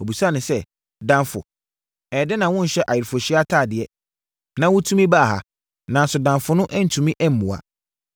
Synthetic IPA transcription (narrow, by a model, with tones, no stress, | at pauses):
o˨bi˨sa˦˨nʊ̃˨sɛ˦ | dã˦nfʊ̰˨ | ɛ˨dɪ˦nã˨wʊ̃˦n̩˨ɕɛ˦ʔa˨jɪ˨ɾfo˨ɕi˦a˦tʰaː˦˨dɪ˨ɛ˦ | nã˦wʊ̃˦tʰũ˦mĩ˦baː˦˨ɦa̰˨ | nã˨n˨sʊ˨dã˨mfʊ˨nʊ̃˦ʔɛ˦n̩˨tʰũ˨mĩ˦ʔɛ˦m̩˨mũ˨a̰˨